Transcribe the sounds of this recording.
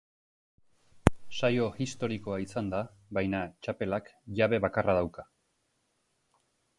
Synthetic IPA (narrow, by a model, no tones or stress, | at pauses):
sajo̞ist̪o̞ɾiko̞aisand̪a | βajnat͡ʃape̞lakʝaβe̞βakarað̞awka